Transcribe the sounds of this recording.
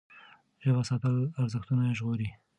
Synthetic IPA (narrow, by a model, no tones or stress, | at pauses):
ʒebasɑt̪əlaɾzəxt̪unaeʒɣoɾi